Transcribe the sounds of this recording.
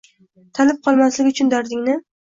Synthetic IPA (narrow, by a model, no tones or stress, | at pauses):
t̪ʰalɪp̚qʰɒlˠmaslɪɡʲʊt͡ʃʰʊnd̪ɒɾd̪ɪŋnɪ